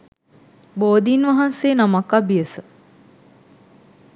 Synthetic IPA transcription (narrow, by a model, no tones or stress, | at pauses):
boːd̪inʋaɦanseːnamakabijəsə